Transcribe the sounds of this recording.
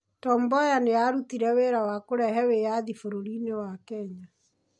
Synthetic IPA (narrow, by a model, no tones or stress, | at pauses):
tɔmbɔjanejaɾutiɾɛweɾawakoɾɛɦɛwejaðifoɾoɾinewakɛɲa